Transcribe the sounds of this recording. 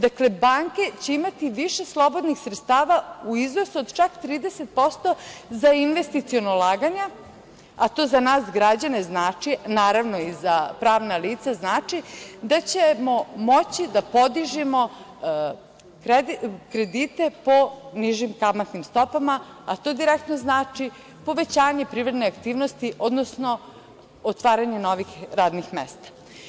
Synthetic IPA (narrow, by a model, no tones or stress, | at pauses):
d̪akle̞baːŋke̞t͡ɕeimat̪iʋiʃe̞slˠo̞bo̞d̪nixsɾet̪st̪aːʋauiznosuod̪t͡ʃakt̪ɾiːd̪eset̪̚po̞st̪o̞zainʋe̞st̪it̪sionolˠaːɡaɲa | at̪o̞ːzanaːsɡɾad͡ʑane̞znaːt͡ʃinaːɾaʋno̞izapɾaːʋnaliːt̪saznaːt͡ʂid̪at͡ɕemomo̞t͡ɕid̪apo̞d̪iʒimo̞ | kɾekɾed̪it̪e̞po̞niʒimkamat̪nimst̪o̞pamaat̪o̞d̪iɾek̚t̪noznaːt͡ʂi | po̞ʋe̞t͡ɕaːɲe̞pɾiːvɾed̪neakt̪iːʋnost̪iʔod̪nosno̞ | ot̪ʋaːɾaɲeno̞ʋixɾaːd̪nixmḛst̪ḁ